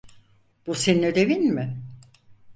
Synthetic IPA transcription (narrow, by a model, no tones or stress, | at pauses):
b̥useninød̪e̞vinmɪ